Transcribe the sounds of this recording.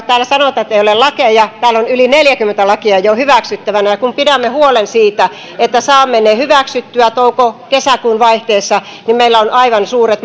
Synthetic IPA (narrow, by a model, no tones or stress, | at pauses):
t̪æːlːæsɑnot̪ɑt̪ːeiolelɑkejɑt̪æːlonylineljækymːent̪ælɑkiɑjohyʋæksyt̪ːæʋænæjɑkumpidæmːehuolensiːt̪æ | et̪ːæsɑːmːenehyʋæksyt̪ːyæt̪oukokesækuːnʋɑiht̪eːsːɑ | nimeilːæonʔɑiʋɑnsuːret̪